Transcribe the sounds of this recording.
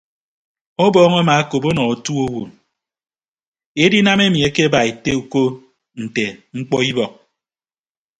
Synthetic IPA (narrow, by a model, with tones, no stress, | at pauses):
ɔ˦bɔː˦ŋa˦ma˨a˦ko˨po˦nɔ˨o˨tu˦o˦wo˨n | e˦di˦na˦me˦mi˨e˦ke˦ba˨e˨te˦u˨ko˦ | n̩˨te˨ŋ͡m̩˦k͡pɔ˦i˦bɔ˨k̚